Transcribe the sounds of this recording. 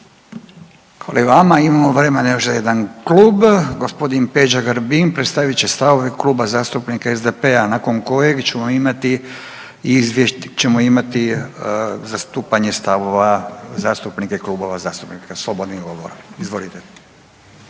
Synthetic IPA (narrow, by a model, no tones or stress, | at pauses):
xʋaliʋamaimamoʋɾemenjoʃzajed̪ankluːbɡospo̞d̪inpe̞d͡ʒaɡaɾbinpɾe̞t̪st̪aʋit͡ɕest̪aʋo̞ʋekluːbazaːst̪upnikaezd̪epeanako̞ŋko̞je̞ɡt͡ɕe̞mo̞imat̪i | izʋjeʃt͡ɕe̞moimat̪i | zast̪uːpaɲest̪aʋoʋazaːst̪upnikaikluːboʋazaːst̪upnikaslˠo̞bod̪niɡo̞ʋo̰ɾaizʋo̞lit̪e